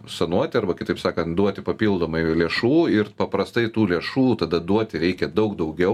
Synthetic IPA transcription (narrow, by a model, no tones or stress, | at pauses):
sɐnuɔt̪ʲɪɐɾbɐkʲɪt̪ɐɪpsɑːkɐnt̪d̪uɔt̪ʲɪpɐpʲiːlˠd̪oːmɐɪlʲeɛʃuːɪrpɐpɾɐst̪ɐɪt̪uːlʲeɛʃuːt̪ɐd̪ɐd̪uɔt̪ʲɪɾʲɛɪkʲɛd̪ɐʊkd̪ɐʊɡʲɛʊ